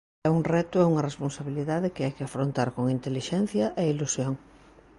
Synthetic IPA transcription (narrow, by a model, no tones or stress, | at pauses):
ɛuŋrɛt̪ʊɛuŋɐresponsaβiliðaðɪkɪajkɪafɾont̪aɾkoŋint̪eliʃɛn̟θjɐʔeilusjoŋ